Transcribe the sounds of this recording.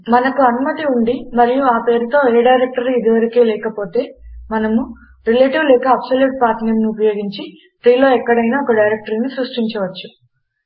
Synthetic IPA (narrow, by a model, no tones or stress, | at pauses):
mɐnɐkuɐnumɐt̪iuɳɖimɐɾijuaːpe̞ːɾut̪o̞ːeːɖɐjɾek̚ʈɐɾid̪iʋɐɾikeːlɛːkɐpo̞ːt̪e̞ːmɐnɐmu | ɾileːʈiʋlɛːkɐːbsɐljuːʈ̚paːɾʈniɾniupɐjo̞ːɡiɲt͡ʃi | t̪ɾiːlo̞ːɛkːɐɽɐjnaːɔkɐɖɐjɾek̚ʈɐɾnisɾuʂʈiɲt͡ʃɐʋɐt͡ʃːu